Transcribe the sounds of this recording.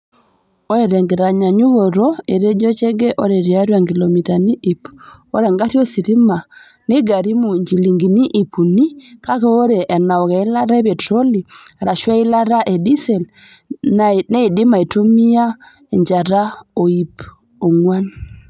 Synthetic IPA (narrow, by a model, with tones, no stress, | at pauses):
o˦e˨ɾɛ˨ŋɡe˨ɾa˨ɲa˨ɲu˦ɣo˨ɾo˦e˨ɾe˦d͡ʒo˦t͡ʃɛ˦ɡɛ˦ʔo˦ɾe˨ɾja˦ɾwa˨ŋɡi˨lo˨mi˨ta˨ni˦ʔi˨po˦ɾɛ˨ŋɡa˦tjo˦si˨ɾi˦ma˨ | ne˦ɡa˨ɾi˦mu˨ɲd͡ʒi˨li˨ŋɡi˨ni˦ʔi˨pu˨ni˦ka˦kɛ˦o˦ɾe˨ʔːna˨ɔ˨kɛ˨i˦la˦ɾa˦ɛ˦pɛ˨tɾo˦li˨a˨ɾa˨ʃwa˦i˦la˦ɾa˦ʔe˨di˦sɛ˨l | ne˦i˨di˦ma˨i˨tu˦mi˦a˦ | e˨ɲd͡ʒa˨ɾa˦o˨i˨p | o˨ŋwa˦n